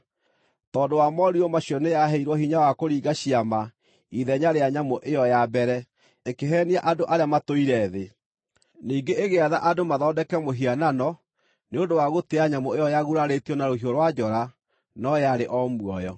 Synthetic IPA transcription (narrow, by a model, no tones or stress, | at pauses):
tɔːdowamɔɾiɔmaɕiɔnejaɦɛiɾwɔɦiɲawakoɾiːɡaɕiama | iðɛɲaɾeaɲamoʔejɔjabɛɾɛ | ekeɦɛːniaʔadoʔaɾeamatoiɾɛðe | niːɡeʔːɣeaðaʔadomaðɔːdɛkɛmoɦiananɔ | neondowaɣoteaɲamoejɔjaɣuɾaɾetiɔnaɾoɦijoɾwad͡ʑɔɾa | nɔjaɾeʔɔmwɔjɔ